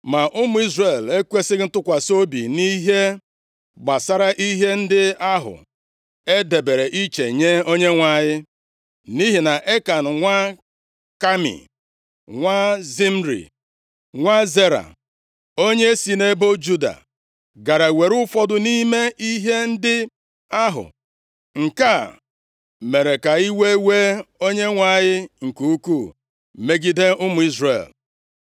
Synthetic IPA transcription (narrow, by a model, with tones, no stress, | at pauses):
ma˨ʔʊ˦mʊ˨˦i˦zre˨le˦kʷe˦sɪ˦ɣn̩˦tʊ˦kʷa˨so˦bḭ˨ni˦ɦe˦ | ɡ͡ba˨sa˦ɾa˦ʔi˦ɦe˦n̩˦dɪ˦a˦ɦʊ̰˨ | e˦de˨be˨ɾe˨ʔi˦t͡ʃe˨ɲe˦o˦ɲe˦ŋʷa˦˨ɲɪ˦ | ni˦ɦi˨na˨ʔe˦ka˨n̩˨ŋʷa˦ | ka˦mḭ˨ | ŋʷa˦zi˦m̩˦ɾḭ˨ | ŋʷa˦ze˦ɾa̰˨ | o˦ɲe˦si˨ne˦bo˦d͡ʒu˦da̰˨ | ɡa˨ɾa˨we˨ɾʊ˦fɔ˦dʊ˨ni˦me˦i˦ɦe˦n̩˦dɪ˦ | a˦ɦʊ̰˨ | ŋ̩˨ka˦˨ | me˨ɾe˨ka˨i˦we˦we˦o˦ɲe˦ŋʷa˦˨ɣɪ˦ŋ̩˨ku˨˦u˦ku˦˨ | me˦ɡi˦de˦ʊ˦mʊ˨i˦zrḛ˨l